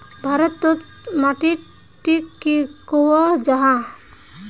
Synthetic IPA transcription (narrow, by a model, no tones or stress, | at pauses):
bʱaɾɔt̪ːɔt̪̚ | maʈi | ʈikːikowɔd͡ʒaɦa